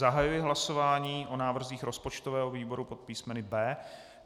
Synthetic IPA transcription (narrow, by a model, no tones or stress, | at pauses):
aɦajujɪɦlasovaːɲiːʔonaːvr̩ziːxɾo̞spot͡ʃt̪ovɛːɦoviːbo̞ɾupot̪̚piːsmɛnɪbɛː